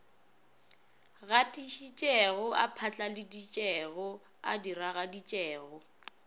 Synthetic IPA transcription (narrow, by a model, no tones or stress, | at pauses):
ɣatʼiʃit͡ʃʼɛɣʊʔapʰat͡ɬʼalɪdit͡ʃʼɛɣɔ | a̰diraɣadit͡ʃʼɛːɣɔ